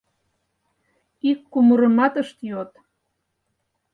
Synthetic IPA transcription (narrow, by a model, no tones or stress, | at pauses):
ikːuməɾəmɑt̪əʃt̪jot̪